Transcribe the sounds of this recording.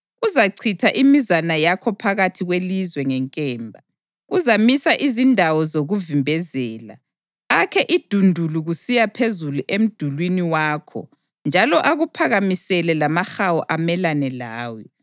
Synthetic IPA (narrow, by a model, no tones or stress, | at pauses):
uzaǀʰitʰaʔimizanajakʰɔpʰaɣatʰiɣwelizwɛŋɛŋkʼɛːmbʱa | uzamisaʔizindʱawɔzoɣuvimbʱɛzɛːla̰ː | kʰɛʔid̥ʱundʱuluɣusijapʰezuluʔem̩d̥ʱulwiniwaːkʰɔ̰ | nd͡ʒʱalɔʔaɣupʰaɣamisɛlɛlamaxawɔʔamɛlanɛlaːwɔ